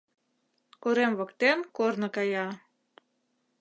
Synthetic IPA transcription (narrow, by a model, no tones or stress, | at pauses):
koɾemβɤkt̪enkornɤ̆kɑjɑ